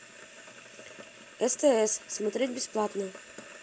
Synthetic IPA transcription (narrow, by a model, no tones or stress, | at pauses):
ɛst̪ɛɛsːmɐt̪ɾʲedʲbʲɪsplˠat̪nə